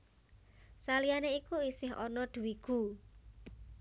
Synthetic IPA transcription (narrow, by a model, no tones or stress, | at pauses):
salijaneikuisɪɦɔ̰nɔd̪̥ṳwiɡ̥u